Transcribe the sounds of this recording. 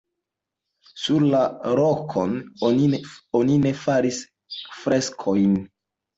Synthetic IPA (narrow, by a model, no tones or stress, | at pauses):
suɾlaɾokʰo̞nonionine̞faɾis | fɾe̞skʰo̞jn